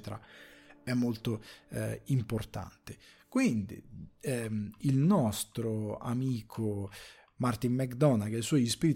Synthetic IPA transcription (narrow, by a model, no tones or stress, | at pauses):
t̪eɾa̰ɛmːolt̪o | import̪a̰nt̪e | kwind̪ḭɛilnɔst̪ɾoa̰miːkʰo | mart̪immɛkd̪ɔnakeisɔjispiɾit̪